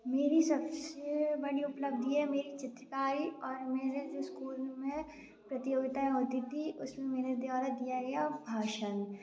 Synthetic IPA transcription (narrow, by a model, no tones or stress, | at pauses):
meːɾisɐbsebɐɽiʊpləb̚d̪iɦɛmeːɾit͡ʃɪt̪ɾəkaːɾiɔːɾmeːɾed͡ʒoːskuːlmẽ | pɾɐt̪ɪjoːɡt̪aẽɦoːt̪it̪ʰiʔʊsmẽmeːɾed̪waːɾad̪ijaɡɐjabʱaːʃən